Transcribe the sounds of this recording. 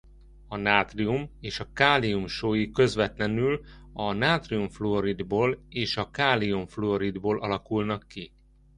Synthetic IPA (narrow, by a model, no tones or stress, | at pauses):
ɒnaːt̪riumeːʃɒkaːliumʃoːjikø̞zʋɛt̪lɛnylɒnaːt̪riumfloɾid̪boːleːʃɒkaːliuɱfloɾid̪boːlʔɒlɒkulnɒkːi